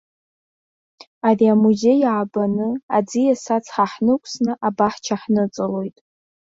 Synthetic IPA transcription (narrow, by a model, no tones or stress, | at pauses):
ariamuze̞jʕabanɨad͡zijasat͡sʰʼħaħnɨkʷʰʼsnɨʔabaħt͡ʃʰaħnɨt͡sʼɨlo̞jtʼ